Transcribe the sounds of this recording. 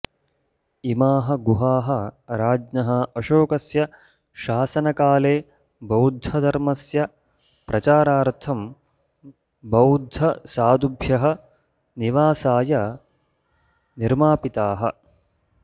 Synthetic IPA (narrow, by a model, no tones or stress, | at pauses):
imaːɦɐ̆ɡuɦaːɦɐɾaːd͡ʒnɐɦɐɐʃoːkɐsjɐ | ʃaːsɐnɐkaːleː | bɐwd̪ʱːɐd̪ʱɐɾmɐsjɐ | pɾʔɐt͡ʃaːɾaːɾt̪ʰɐm | bɐwd̪ʱːɐsaːd̪ubʱjɐɦɐ | niʋaːsaːjɐ | niɾmaːpit̪aːɦɐ